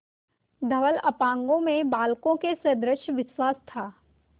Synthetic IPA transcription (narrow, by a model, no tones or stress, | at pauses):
d̪ʱɐʋəlɐpãːŋɡõmẽbaːlkõkesɐd̪ɾəʃʋɪʃwaːst̪ʰaː